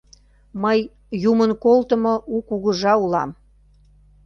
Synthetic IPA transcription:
məjː | umənkolt̪ə̆moukuɣəʒɑulɑm

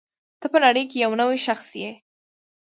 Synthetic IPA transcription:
t̪əpəlaɽəjkejawnəweʃaxsje

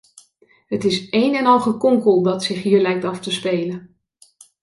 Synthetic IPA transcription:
ɦətɪsejnɛnɑlˠχəkɔŋkəlˠdɑtsɪχɦiːɹlɛjk̚tɑftəspejlən

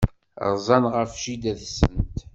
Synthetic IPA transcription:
ɾzˤɑnʁəfʃid̪æθsə̰nt̪

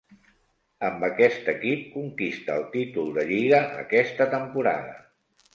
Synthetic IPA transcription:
əmbəkɛst̪əkip̚kuŋkist̪əːlˠt̪it̪ulˠd̪əʎiɣəʔə̰kɛst̪ət̪əmpuɾa̰ðə̰

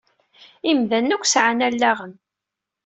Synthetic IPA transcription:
imðænːækʷːsʕanælːæʁən

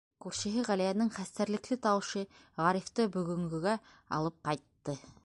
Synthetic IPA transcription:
kʉɾʃɘ̆ɦɘʁælæjænɘŋχæst̪æɾlɘ̆klɘt̪ɑwɤ̆ʃɤ | ʁɑɾift̪ɤbɵ̆ɣɵ̆ŋɡɵ̆ɡæ | ɑ̰lˠɤp̚qɑjt̪ːɤ

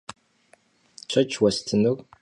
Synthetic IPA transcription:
t͡ʃʷʰɐt͡ʃʰwɐstʰɨnu

